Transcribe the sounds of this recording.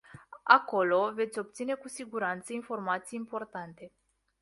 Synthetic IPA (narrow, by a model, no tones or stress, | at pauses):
a̰ko̞lo̞ve̞t̪sʲo̞p̚t̪sine̞kusiɡuɾant̪səinfo̞rmat̪sijimpo̞rt̪ant̪e̞